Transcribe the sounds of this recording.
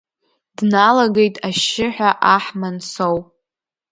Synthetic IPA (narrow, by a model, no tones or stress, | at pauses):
dnalaɡe̞jtʼaʃɪħʷᶣaʔaħmansowpʼ